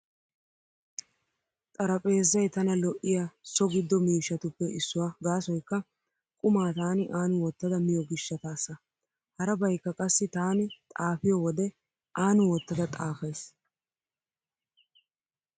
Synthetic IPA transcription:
t̪ʼɐɾɐpʼe̞ːzːɐjt̪ɐnɐlɔʔɪjasɔɡɪd̪ːɔmiːʃːɐt̪ʊpːɛɪsːʊwaːɡaːsɔjkːɐ | kʼʊmaːt̪aːnɪʔaːnʊwɔt̪ːɐd̪ɐmɪjɔɡɪʃːɐt̪aːsːɐ | hɐɾɐbɐjkːɐkʼɐsːɪt̪aːnɪt̪ʼaːfɪjɔwɔd̪ɛ | ʔaːnʊwɔt̪ːɐd̪ɐt̪ʼaːfɐjs

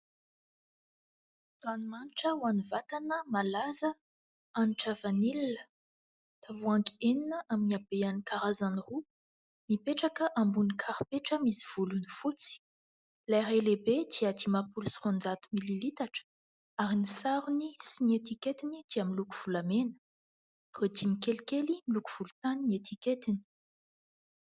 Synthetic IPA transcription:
t̪animaniʈ͡ʂəwanivat̪anəmalazə | aniʈ͡ʂavanilinə | t̪avuaŋki̥eninəʔaminiabeanikaɾazaniru | mipeʈ͡ʂakəʔambunikʰaɾipeʈ͡ʂəmisi̥v̥ulunifut͡si̥ | lajɾajlebed̪̥iad̪imapulusi̥χond͡zat̪umililit̪aʈ͡ʂə̥ | aɾinisaɾunisiniet̪iket̪inid̪̥iamilukuv̥ulamenə̥ | rod̪imikelikelimilukuv̥ulu̥t̪aniniet̪iket̪ini̥

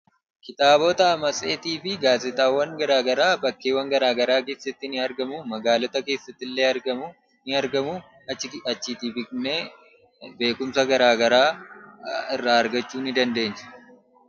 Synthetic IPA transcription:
kɪt̪aːboːt̪ɐɐmɐsʼe̞ːt̪iːfɪɡaːzɛt̪aːwːɐŋɡɐɾaːɡɐɾaːbɐkːeːwːɐŋɡɐɾaːɡɐɾaːke̞ːsːɐt̪ːɪnɪɐɾɡɐmʊmɐɡaːlɔt̪ɐke̞ːsːɐt̪ːɪlːeːɐɾɡɐm | nɪɐɾɡɐmʊ | ɐt͡ʃːiːt̪ibɪkneː | be̞ːkʊmsɐɡɐɾaːɡɐɾaː | ɪrːaːɐɾɡɐt͡ʃːuːnɪd̪ɐnd̪e̞ːnt͡ʃɐ̥

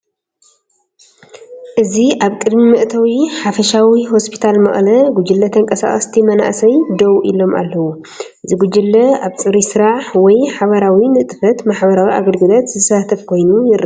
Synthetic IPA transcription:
ʔɨziʔaβkʼɨd̪mimɨʔt̪ʰɐwiħafɐʃawiɦo̞spʰi̥t̪ʰalmɐ̰χʼlɐɡud͡ʒɨlːɐt̪ʰɐŋkʼɐsa̰χʼɐ̰st̪ʰimɐna̰ʔsɐjd̪owʔḭlo̞ma̰lːɐwu | ʔɨziɡud͡ʒɨlːɐaβt͡sʼɨɾisɨɾaħwɔjħaβɐɾawinɨʔt̪ʼɨfɐt̪maħbɐɾawiʔa̰ɡɐlɡɨlot̪zɨsat̪ʰɐfkʰo̞jnujɪɾ

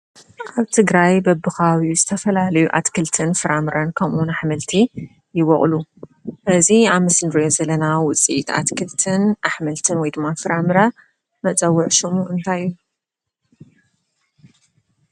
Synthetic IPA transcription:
ʔaβt̪ʰɨɡɾajbɐbɨxawizɨt̪ʰɐfɐlalɐjuʔat̪kʰɨlt̪ʰɨnfɨɾamɨɾankʰɐmʔunaħmɨlt̪ʰi | jɪwɔχʼluhɨziaβmɨsnɾjozɐlɐnawʊt͡sʼit̪ʰa̰t̪kʰɨlt̪ʰɨnʔaħmɐlt̪ʰɨnwɔjd̪ɨmːafɨɾamɨɾa | mɐt͡sʼɐwːʊʕʃɨmuʔɨnt̪ʰajːu

